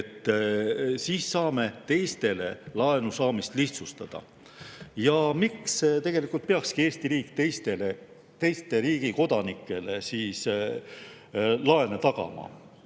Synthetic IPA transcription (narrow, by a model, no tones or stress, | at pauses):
et̪ˑː | siːsːɑːme̞t̪e̞jst̪e̞le̞̰lɑenusɑːmist̪liht̪sust̪ɑd̪̥ɑ̰ | jɑmikst̪e̞ɡ̥e̞likːˑult̪̚peɑkskie̞ːst̪iɾiːkˑt̪ejst̪e̞le | t̪e̞jst̪e̞ɾiːɡ̥iko̞d̪̥ɑnikːˑe̞le̞siːs | lɑe̞net̪ɑɡɑ̰mɑ̰